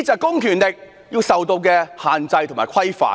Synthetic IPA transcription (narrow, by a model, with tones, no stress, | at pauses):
t͡sɐː˨kʊ˥ŋkʰyː˨˩nlɪ˨k̚ | jiː˧wsɐ˨wt̪o˧wkɛː˧haː˨nt͡sɐ˧jt̪ʰo˨˩maː˨˩jkʰɐ˥jfa̰ː˨˩